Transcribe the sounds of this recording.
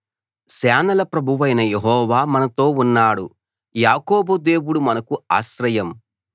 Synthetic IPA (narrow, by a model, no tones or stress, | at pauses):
sɛːnɐlɐpɾɐbʱuʋɐjnɐjeɦɔːʋaːmɐnɐt̪o̞ːunːaːɽṵ | jaːkɔːbud̪e̞ːwuɽumɐnɐkua̰ːʃɾɐjɐm